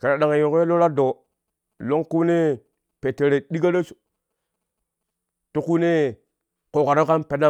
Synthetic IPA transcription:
ke˨ɾa˨ɗa˨ŋe˨jo˨ke˦lo˦ɾa˦do˨ | lo˦ŋku˦ne˦ | pe˨te˨ɾe˨ɗi˦ɡa˦ɾe˦su̥˨ | tu˦ku˦ne˦ | ko˨ka˨ɾo˦ka˦npe˨da˦

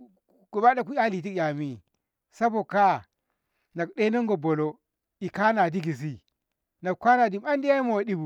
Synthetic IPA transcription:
ɡ̥u˨ba˦da˦k̬u˦ja˦li˨t̬i˦ja˨mi˦ | sa˦bo˨ka˦ | na˨kɗe˦no˦ŋɡo˨bo˨lo˦ | i˨ka˦na˨di˦ɡi˨zi˦ | na˨kʷa˦na˨di˨ma˦ndja˦i˦mo˨wa˨di˦bu˨

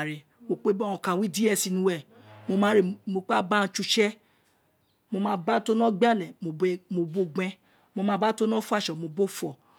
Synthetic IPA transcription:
ɾe˨ | mo˧k͡pe˦bɔ˦ɔ̃˨kã˨wĩ˦di˦ɛ˦˧˨si˧nũ˧wɛ˦˨ | mo˧mã˦ɾe˨mo˧k͡pa˦bã˦˧t͡ʃu˧ʃɛ˦ | mo˧mãː˦ba˦to˦nɔ̃˦ɡ͡ba˦˨lɛ˨mo˨˦˨mo˧bo˦ɡ͡bɛ̃˦ | mo˧mãː˦ba˦to˦nɔ̃˦fu˦a˦˨ʃɔ˨mo˧bo˦fɔ˨

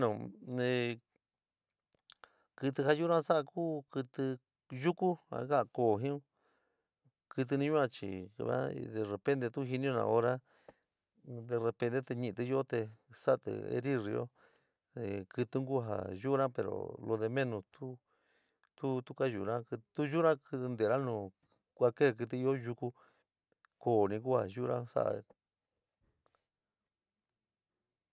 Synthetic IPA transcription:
nõ˨ẽ˧˨ | kɨ˧t̪ɨ˧ha˧ju˦ɾã˦sa˦ʔa˧kuː˦kɨ˧t̪ɨ˧ | ʒu˦ku˦ã̰˧˦ɣa˦ʔkoː˨ɦĩ˦ũ˦ | kɨ˧t̪̬ɨ˧nĩ˧ɲũ˦ã˧t͡ʃḭ˨kβã̰˦˧ðe˧˨re˧˨pẽ˦nt̪e˧t̪u˦ɦi˧nĩ˦õ˧ã̰˧˨˧o˧ɾa˦ | d̪e˧re˧pe˧nt̪e˦˧t̪e˧ɲĩ˧t̪ɨ˧jo˦t̪e˧sa˦˧t̪ɨ̰˧ḛ˧ɾi˦ri˧o̰˦ | e˨kɨ˧t̪ɨ˦ŋɡu˦ɦa̰˨ʒu˦ɾã˦pe˧ɾo̰˨lo˧ðe˧mẽ˦nũ˧t̪u˦ | t̪u˦t̪u˦ka˦ʒṵ˨ɾã˦kt̪u˦ʒu˦ɾã˦kɨ˧t̪nd̪e˨ɾã˦nũ˧˨ | kʷa˧ke˦˧k̬ɨ˧t̪̬ɨ˧i˧o˦ʒu˧ku˦ | koː˨nĩ˧ku˦ha˨ʒu˦˧ɾã˦sa̰˦ʔa̰˧

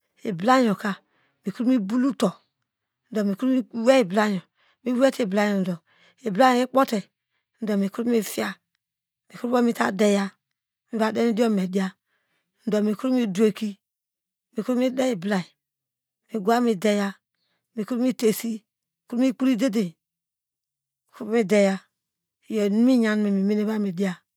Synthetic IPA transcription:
e˨bla˦ɲ˨ɔ˨ka˨ | mi˨ku˦ɾu˦mi˦bu˦lu˦tɔ˨ | n̩˨dɔ˨mi˨ku˦ɾu˦mi˦wɛ˦i˨bla˦ɲɔ˨ | mi˨˦wɛ˦te˨bla˦ɲɔ˨n̩˨dɔ˨ | e˨bla˦ɔ˨i˦k͡po˦tɛ˨ | n̩˨dɔ˨mi˨ku˦ɾu˦mi˦fi˦a˦ | mi˨ku˦ɾu˦bo˦mi˦ta˨dɛ˨ja˦ | mi˨ba˨de˦ni˦di˦o˦me˨di˦a˦ | n̩˨dɔ˨mi˨ku˦ɾu˦mi˦du˦e˨ki˦ | mi˨ku˦u˦mi˦dɛ˦i˨bla˨i˨ | mi˨ɡu˦a˦mi˨dɛ˨ja˦ | mi˨ku˦ɾu˦mi˦te˨si˦˨ | ku˦ɾu˦mi˦k͡pu˦ɾi˦de˦de˨ | i˨ku˦u˦mi˦dɛ˨ja˦˨ | jɔ˨nu˦mi˦ɲa˨n˦me˨mi˨me˦ne˦ba˦mi˨di˦a˨

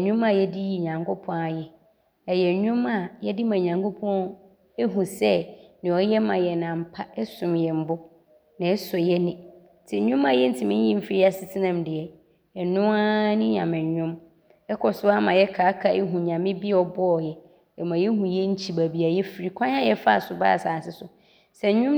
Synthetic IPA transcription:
ɲʊ̃˦ma˨jɛ˦di˦ji˨ɲã˨ŋkʊ˦pʰɔ̃˦a˨jɛ˨ | ɛ˨jɛ˨ɲʊ̃˦ma˨jɛ˦dɪ˦mã˨ɲã˨ŋkʰo˦pʰɔ̃˦ɔ̃˦ | e˦ɦũ˨sɛ˦nɪ̃˨ɔ˦jɛ˦mã˨jɛ˨nã˨m̩˨pʰa˦ɛ˦sʊ̃˨mjɛ˨m̩˦bʊ˦ | nã˨ɛ˦sʊ˨jɛ˦nɪ̃˨ | tʰɪ˨˦ɲʊ̃˦mã˨jɛ˦n̩˦tʰɪ˨mɪ̃˦ɲ˦jĩ˦m̩˦fi˦ɾi˦a˨sɪ˦tʰɪ˦nã˦˨mdɪ˨ɛ˨ | ɛ˨nʊ̃˦a˦nɪ̃˦ɲã˨mɪ̃˨ɲ˨ɲᶣʊ̃˦m | ɛ˦kʰɔ˨sʊ˦a˦mã˨jɛ˦kʰaː˨˦kʰa˨ʔɛ˦ɦũ˨ɲã˨mɪ̃˦bi˦ɔ˨bɔ˦ɔ˨jɛ˨ | ɛ˨mã˨jɛ˦ɦũ˨jɛ˦ɲ̩˦t͡ɕʰi˨ba˨bi˨a˨jɛ˦fi˨ɾi˦kʷʰã˦ɲ˦ã˦jɛ˦fa˦a˨sʊ˨ba̰˦˨saː˨sɪ˦sʊ˨ | sɛ˨˦ɲʊ̃˦m

